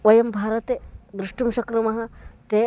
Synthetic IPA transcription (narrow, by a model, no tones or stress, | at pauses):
ʋɐjɐmbʱaːɾɐt̪ed̪ɾuʂʈumʃɐkɾɐmɐɦɐt̪e